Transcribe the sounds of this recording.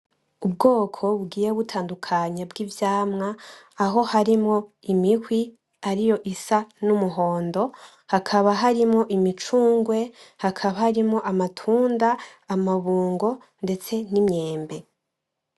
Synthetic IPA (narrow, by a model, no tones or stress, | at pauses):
ub̚ɡo̞ːkʰo̞βuɡiːje̞βutʰaːndukʰaɲabɡivjaːmŋaː | ɦo̞haɾimŋo̞imihwi | aɾijo̞ʔisanumuɦo̞ːndo̞ | hakʰaβaɦaɾimŋo̞ʔimit͡ʃuːŋɡwe̞hakʰaβahaɾimŋo̞ʔamatʰuːndaːmaβuːŋɡo̞ | nde̞t͡se̞nimɲe̞ːmbe̞